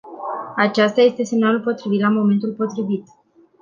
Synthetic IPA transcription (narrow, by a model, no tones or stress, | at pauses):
at͡ʃast̪aje̞st̪e̞se̞mnalulpo̞t̪ɾivit̪lamo̞me̞nt̪ulpo̞t̪ɾivit̪